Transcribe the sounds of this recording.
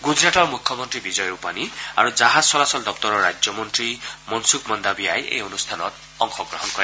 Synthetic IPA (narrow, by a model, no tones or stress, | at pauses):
ɡud͡ʒɾaʈɔɹmukʰjɔmɔnt̪ɾibid͡ʒɔjɾupania̰ɾud͡ʒaɦad͡zsɔlasɔld̪ɔk̚t̪ɔɾɔɾad͡ʒjɔmɔnt̪ɹimɔnsukmɔnd̪abiajʔḛjɔnust̪ʰanɔt̪ | ɔŋxʰɔɡɹɔɦɔnkɔɾe